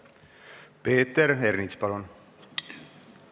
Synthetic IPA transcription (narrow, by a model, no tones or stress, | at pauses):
peːt̪ːeɾernit̪spɑlun